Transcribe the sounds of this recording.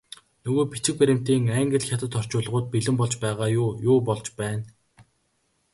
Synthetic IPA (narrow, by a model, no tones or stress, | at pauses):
nɵɣoːpit͡ɕɪ̆k̚pæɾʲɪ̆m̥t̪iːŋæŋɡɘ̆ɮxʲat̪ə̆t̪ɔr̥t͡ɕʊːɮʁʊːt̪̚piɮɘ̆mpɔɮt͡ɕpæːʁaːjʊːjʊːpɔɮt͡ɕpæːn